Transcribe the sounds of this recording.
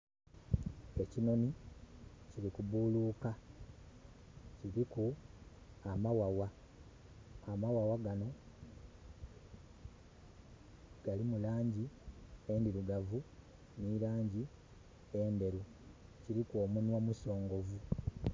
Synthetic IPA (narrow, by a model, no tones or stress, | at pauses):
e̞cino̞ni | ciɾikuβuluːka | ciɾiku | amawawa | amawawaɡano̞ | ɡ̥alimulaːɲɟie̞ndiɾuɡavu | niɾaːɲɟi | e̞nde̞ɾu | ciɾikwo̞ːmunwomuso̞ːŋɡo̞vu